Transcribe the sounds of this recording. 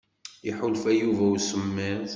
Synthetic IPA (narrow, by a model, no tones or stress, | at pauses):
jəħʊlfæjuvæwsəmːiðˤ